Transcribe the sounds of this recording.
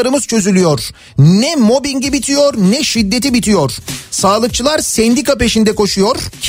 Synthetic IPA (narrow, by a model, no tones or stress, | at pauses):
aɾɯmɯz̥t͡ʃʰø̞zylʲyjo̞ɾ̥ | nɛmo̞biɲɟibit̪ʰijo̞ɾnɛʃid̪ːet̪ibit̪ʰijo̞ɾ̥saːlˠɯk̚t͡ʃʰɯlˠaɾsɛnd̪ikape̞ʃind̪ɛko̞ʃujo̞ɾ̥